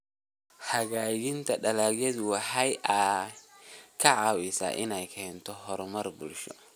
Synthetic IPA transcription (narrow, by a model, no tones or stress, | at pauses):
hɐɣaːjɪnt̪ʰɐɖɐlaːɣjɛðwɑħɐjʔa | kʰɐʕɑːwɪsa̰ːʔɪnɛjkʰɛːnt̪ʰɔɦɔɾmɐrbʊlʃɔ̰